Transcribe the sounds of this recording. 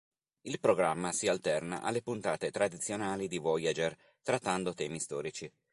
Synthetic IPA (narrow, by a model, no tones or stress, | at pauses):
ilpɾoɡɾamːasialt̪ɛrna̰ʔa̰lːepunt̪aːt̪et̪ɾad̪it̪sːjonaːlid̪ivɔjad͡ʒer | t̪ɾat̪ːand̪ot̪ɛːmist̪ɔ̰ːɾit͡ʃi